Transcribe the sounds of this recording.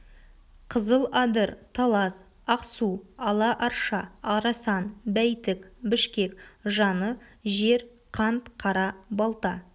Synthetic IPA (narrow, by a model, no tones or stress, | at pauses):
qʰəzəlˠɑd̪əɾt̪ʰɑlˠɑs | ɑqsuɑlˠɑʔɑɾʃɑɑɾɑsɑnbæjt̪ɪkbɪʃkʲe̞kʒɑnəʒe̞ɾ | qʰɑnt̪qʰɑɾɑbɑlˠt̪ɑ